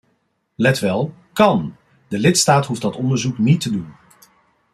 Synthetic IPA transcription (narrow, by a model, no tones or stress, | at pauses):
lɛtʋɛlˠ | kɑn | dəlɪtstaːtɦufdɑtɔndəɹzuknitədun